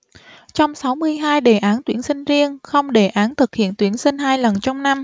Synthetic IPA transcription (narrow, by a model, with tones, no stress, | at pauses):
t͡ɕɔ˧wŋ͡msa˨˦wmɨ˧əjɦaː˧jɗe˨˩ʔaː˨˦nt̪wi˨˧˩ənsï˧ŋ̟zi˧əŋxə˧wŋ͡mɗe˧˩ʔaː˨˦nt̪ʰɨ˨˩k̚hḭ˧˨ənt̪wi˨˦ənsï˧ŋ̟haː˧jlə˨˩nt͡ɕɔ˧wŋ͡mna˧m